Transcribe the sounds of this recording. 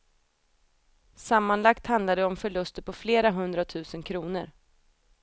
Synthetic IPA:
samːanlakt̪hand̪lad̪əɔmfœɭɵst̪əɾpʰɔfleːɾaɦɵnd̪ɾat̪ʰʉ̟ːsənkʰɾuːnə̰ɾ

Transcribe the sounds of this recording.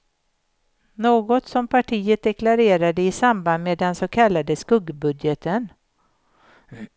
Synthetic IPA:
noːɡɔt̪sɔmpʰaʈʰiːət̪̚d̪ɛklaɾeːɾad̪əɪsamband̪meːd̪ɛnsokʰalːad̪əskɵɡbɵd̪jət̪ʰən

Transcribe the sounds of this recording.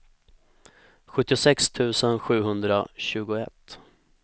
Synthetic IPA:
ɧɵt̪ːɪʊsɛkst̪ʰʉ̟ːsənɧʉ̟ːɦɵnd̪ɾa̰ɕʉ̟ːɡʊɛ̰t̪ː

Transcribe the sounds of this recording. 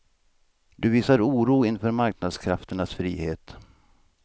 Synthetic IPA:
d̪ɵviːsaɾuːɾuːɪnfœːɾmaɾknad̪skʰɾaft̪əɳasfɾḭːheːt̪

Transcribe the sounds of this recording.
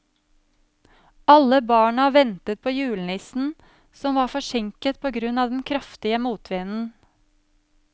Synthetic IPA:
ɑləbɑːɳɑʋɛnt̪ət̪̚pʰoːjʉːln̩ɪsn̩ | sɔmʋɑːɾfɔʃɛŋkət̪̚pʰoːɡɾʉnɑːd̪ɛnkʰɾɑft̪ɪəmuːt̪ʰʋeːnn̩

